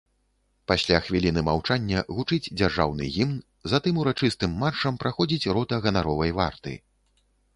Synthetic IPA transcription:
pasʲlʲaxvʲilʲinɨmawt͡ʂanʲːɐɣut͡ʂɨd͡zʲd͡zʲarʐa̰wnɨ̰ɣʲimn | zat̪ɨmuɾat͡ʂɨst̪ɨmːat͡ʂɐmpɾaxɔd͡zʲit͡sʲɾɔt̪ɐɣɐnaɾɔvɐjva̰rt̪ɨ̰

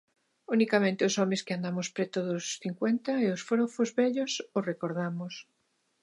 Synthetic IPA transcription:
unikamẽnt̪ɪosomeskɪand̪amospɾet̪oðosθiŋkwent̪aeosfɾofozβɛʎosorekoɾð̞amos

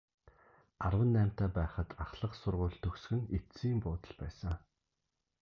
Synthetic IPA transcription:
arwə̆nːæːm̥t̪æːpæːχə̆t̪ʰaχɮə̆qsʊrʁʊːɮt̪ʰɵksɡɘ̆ŋesiːmpʊːt̪ə̆ɮpæ̰ːsə̆ŋ

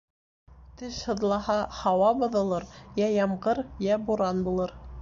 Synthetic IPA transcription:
t̪ɘʃhɤ̆ðlˠɑhɑhɑwɑbɤ̆ðɤ̆lˠɤɾjæjɑmʁɤɾjæbuɾɑnbulˠɤɾ

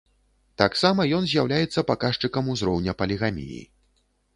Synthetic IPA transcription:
t̪aksamɐjɔnzʲjawlʲajɛt̪sːɐpakaʂt͡ʂɨkɐmuzɾɔwnʲɐpɐlʲiɣamʲḭjḭ

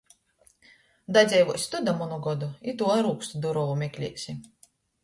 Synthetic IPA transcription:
d̪ad̪zʲɛjvusʲt̪ud̪amunuɡɔd̪uit̪uɔɾuːkst̪ud̪uɾɔvumʲɛkʲlʲiɛksʲi

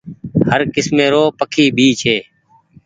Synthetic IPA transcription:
həɾkɪsmẽːɾoːpəkʰiːbʱiːt͡ʃʰeː

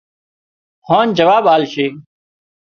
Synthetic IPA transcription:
hãːnd͡ʒəʋaːbaːlʃeː

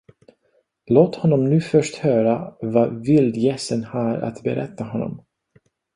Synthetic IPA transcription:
loːt̪hɔnːɔmnʉ̟ːfœʂthœːɾavavɪld̪jɛsənhaːɾa̰t̪bɛɾɛt̪ːaɦɔnːɔ̰m

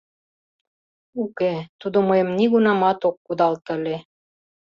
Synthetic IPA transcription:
uket̪ud̪oməjə̆mniɣunɑmɑt̪okːud̪ɑlt̪əle

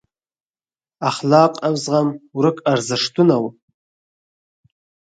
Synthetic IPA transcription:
aχlaqʷʼamzʁamɾɨkʼarzɨʂtʰunaw

